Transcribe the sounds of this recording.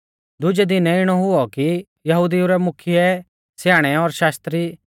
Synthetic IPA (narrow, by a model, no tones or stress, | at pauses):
d̪ʊd͡ʒɛd̪ɪnɛɪɽ̃ɔɦʊɔki | jɐɦud̪iuɾɛmʊkʰɪjɛ | sjaːɽ̃ɛɔɾʃaːst̪ɾi